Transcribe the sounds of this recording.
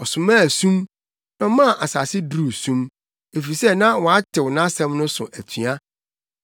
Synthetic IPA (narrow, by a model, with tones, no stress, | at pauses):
ɔ˨sʊ̃˨mã˦˨sũ˦m | nã˦mã˦˨ʔa˨saː˨sɪ˦dɾu˨sũ˦m | e˨fi˨sɛ˦nã˦wɔ̃˨a˦tʰɪ˨wnã˦sɛ̃˦mnʊ̃˦sʊ̰˨ʔæ˨tʰɥa˦